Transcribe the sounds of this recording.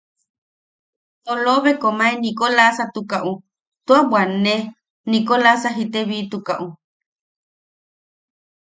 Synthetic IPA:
t̪oloβekomaenikolasat̪ukaʔu | t̪uabwʷane | nikolasaɦit̪eβit̪ukaʔu

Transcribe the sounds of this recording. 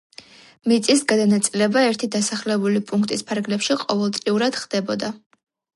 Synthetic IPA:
mit̪sʼisɡad̪anat̪sʼilɛbaɛɾt̪ʰid̪asaχlɛbulipʼuŋkʰt̪ʼispʰaɾɡlɛpʃiqʼɔvɛlˠt̪sʼliuɾad̪̥χd̪̥ɛbɔd̪a

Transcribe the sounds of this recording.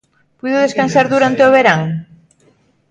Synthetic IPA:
pujðoðeskansaɾðuɾant̪eoβeɾaŋ

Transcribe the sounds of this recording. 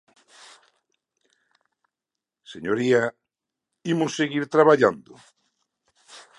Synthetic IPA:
seɲoɾia | imʊseɣiɾt̪ɾaβaʎand̪ʊ

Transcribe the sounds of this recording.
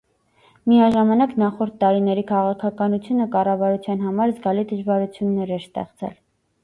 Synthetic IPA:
miɑʒɑmɑnɑknɑχɔɾt̪ːɑɾinɛɾikʰɑʁɑkʰɑkɑnut͡sʰjunəkɑrɑvɑɾut͡sʰjɑnɦɑmɑɾzɡɑlid̪əʒvɑɾut͡sʰjunːɛɾɛɾst̪ɛ̰χt͡sʰɛ̰l

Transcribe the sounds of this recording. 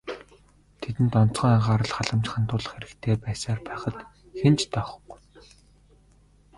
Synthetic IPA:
t̪ʰet̪ɘ̆nt̪ɔn̥t͡sχə̆ŋaʁaːɾə̆ɮχaɮə̆mt͡ɕχant̪ʊːɮə̆χxeɾɘ̆kt̪ʰeːpæːsaːrpæːχə̆t̪ | xent͡ɕt̪ʰœχ̆k

